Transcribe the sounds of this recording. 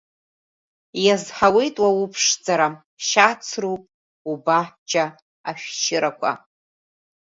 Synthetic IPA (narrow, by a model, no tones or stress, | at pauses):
jazħawejtʼwawupʰʂd͡zaɾa | ʃat͡sʰrupʼ | ubaħd͡ʒʼa | aʃᶣʃʰɪɾakʷʰa̰